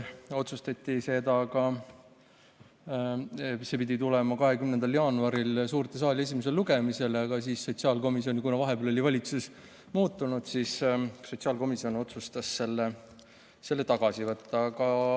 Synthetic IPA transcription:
o̞t̪sust̪ɑt̪ʲːise̞d̪ɑkɑ | se̞pid̪ʲit̪ulɛmɑkɑɦe̞kymnend̪ɑljɑːnuɑɾilsuːrt̪es̬ɑːlʲie̞s̬ʲimese̞lluɡe̞mise̞lɑɡ̥ɑs̬iːsːo̞t̪siɑːlko̞misionʲikunɑvɑɦe̞bolo̞lʲivɑlʲit̪sus | muːt̪ːˑunut̪sissot̪siɑːlko̞misio̞no̞t̪sust̪ɑsːe̞lːe | se̞lːe̞t̪ɑɡ̥ɑsivɤt̪ːɑkɑ

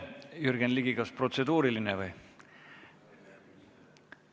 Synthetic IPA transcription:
jyɾɡ̥enliɡikɑspro̞t̪se̞d̪̥uːɾilinevɯj

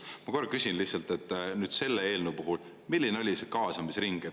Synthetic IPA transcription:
mɑko̞r̚ːkysʲinlihtsɑlt̪e̞t̪ːˑnyːd̪̥se̞lːeeːlnupuɦul | milʲːineo̞lʲisekɑːsɑmisɾiŋɡ̥e

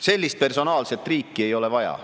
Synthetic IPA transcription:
se̞lʲːist̪̚pe̞rso̞nɑːlse̞t̪ːˑriːkːie̞jo̞le̞vɑjɑ̰

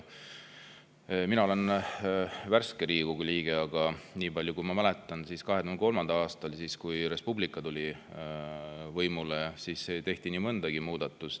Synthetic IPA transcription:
minɑole̞n | værskeɾiːɡ̥uɡuliːɡ̥eɑɡ̥ɑniːbɑlʲjukujmɑmælet̪ːˑɑnsiskɑɦe̥uhnko̞lmɑnd̪̥ɑlɑːst̪ɑlsiskujɾe̞spublikːˑɑt̪ulʲi | vɤjmulesiːsːet̪e̞ht̪iniːmɤnd̪ɑɡ̥imuːd̪̥ɑt̪ːˑus

